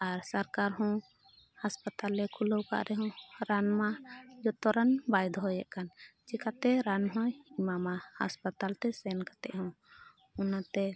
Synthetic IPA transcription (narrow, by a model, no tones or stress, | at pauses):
aɾsaɾkaɾɦɔ̃ | haspat̪alːɛkʰulowka̰ʔɾɛɦɔ̃ɾanmad͡ʒɔt̪ɔɾanbajd̪ʱɔɦɔjɛʔkant͡ʃɛkʰat̪ɛɾanɦɔ̃imamaha̰spat̪alt̪ɛsɛnkḁt̪ɛ̰ʔɦɔ̃ | ɔnat̪ɛ